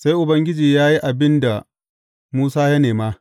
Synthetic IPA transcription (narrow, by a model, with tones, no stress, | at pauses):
sa˦jʔʊ˨bɐ˦ŋɡʲɪ˦d͡ʒiː˨jaː˦ji˦ʔa˨bɪ˦nda˨ | muː˦saː˦jɐ˦neː˨maː˦